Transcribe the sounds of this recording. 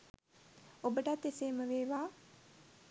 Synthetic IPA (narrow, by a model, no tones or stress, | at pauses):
obəʈat̪ːeseːməʋeːʋaː